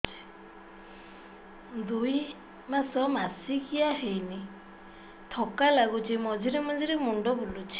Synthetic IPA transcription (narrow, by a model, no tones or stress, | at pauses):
d̪uj | masɔmasikʰijaɦejni | t̪ʰɔkalaɡut͡ʃʰimɔd͡ʒiɾimɔd͡ʒiɾimuɳɖɔbulut͡ʃʰi̥